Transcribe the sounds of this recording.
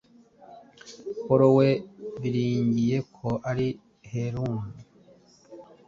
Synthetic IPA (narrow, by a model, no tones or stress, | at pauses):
koɾoweβiɾiːɲɟije̞kʰoʔaɾi | heɾuːmu